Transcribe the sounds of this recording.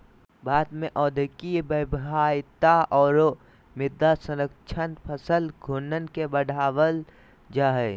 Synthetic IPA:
baːt̪mẽʔɔːd̪ʱəkibəbɦaːjt̪aʔɔːɾ | mɪd̪ːasəɾəkt͡ʃʰənpʰəsəlɡʱʊnənkebəɽʱaːwəl | d͡ʒaːɦɛ

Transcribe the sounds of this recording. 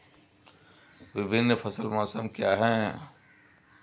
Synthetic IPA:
ʋɪbʱɪnːpʰɐsəlmɔːsəmkjaːɦɛː

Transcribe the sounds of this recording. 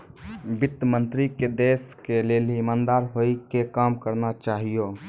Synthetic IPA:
bɪt̪ːəmə̃nt̪ɾiked̪eːskeleːliɪmãːnd̪aːɾɦoikekaːmkəɾnat͡ʃaːɦijo

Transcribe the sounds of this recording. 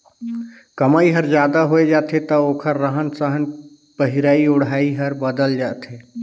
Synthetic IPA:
kəmaːiɦəɾd͡ʒjaːd̪aɦoed͡ʒaːt̪ʰet̪əoːkʰəɾːəɦənsəɦən | pəɦiɾaːiʊɽaːiɦəɾbəd̪əld͡ʒaːt̪ʰe

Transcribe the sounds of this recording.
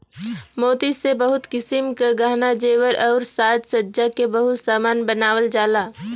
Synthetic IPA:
moːt̪isebəɦʊt̪kɪsɪmkaɡaɦnad͡ʒeːʋəɾʔɔːɾsaːt̪sədd͡ʒakebəɦʊt̪saːmaːnbənaːwəld͡ʒaːlaː

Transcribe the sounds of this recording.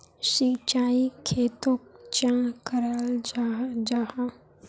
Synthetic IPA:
sit͡ʃaːikʰeːt̪okt͡ʃãkəɾaːld͡ʒad͡ʒaha

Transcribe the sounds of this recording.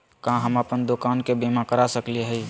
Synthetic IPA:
kãɦəməpənd̪okaːnkebimãkəɾasəklieɦɛi

